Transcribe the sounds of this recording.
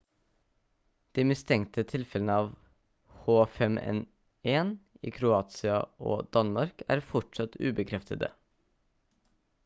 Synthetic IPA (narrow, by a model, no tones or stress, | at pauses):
d̪̥iːmɪst̪ʰɛŋt̪ʰət̪ʰɪlfɛlənəɑːʋ | hoːfɛmʔɛ̰n | ʔeːn | ḭːkʰɾʊɑːt̪sɪɑʔo̰ːd̪̥ɑnmɑɾkʰæ̰ːɾfɔʈʂɑt̪ʉ̰ːbəkʰɾɛft̪ʰəd̪ə̰